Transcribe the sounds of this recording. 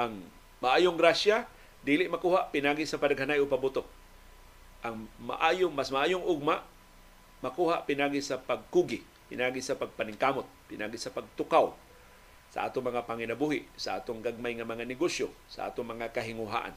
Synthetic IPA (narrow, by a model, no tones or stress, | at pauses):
ʔaŋ | maʔaːjoŋɡɾaʃja | d̪ilɪʔmakuːhaʔpɪnaːɡisapadaɡ̚hanajopabut̪ok̚ | ʔaŋma̰ʔaːjoŋmasmaʔaːjʊŋʔʊɡ̚maʔ | makuːhaʔpɪnaːɡisapaɡ̚kuɡɪ | pɪnaːɡisapaɡ̚panɪŋkaːmot̪̚pɪnʔaːɡisapaɡ̚t̪ʊkaw | sa̰ʔa̰ːt̪ʊŋmɐŋapaŋɪnabuɦɪʔsaʔa̰ːt̪ʊŋɡaɡ̚majŋamɐŋanɪɡosjosa̰ʔa̰ːt̪ʊŋmɐŋakaɦɪŋʊɦa̰ːʔa̰n